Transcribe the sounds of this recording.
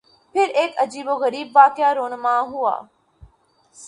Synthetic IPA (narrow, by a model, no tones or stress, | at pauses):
pʰɪɾeːkɐd͡ʒiːboɣəɾiːbʋaːkjaːɾoːnmãːɦʊa̰ː